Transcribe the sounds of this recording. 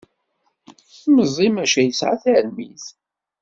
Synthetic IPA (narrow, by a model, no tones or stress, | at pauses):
θməzˤimæʃæjəsʕa̰θæɾmiθ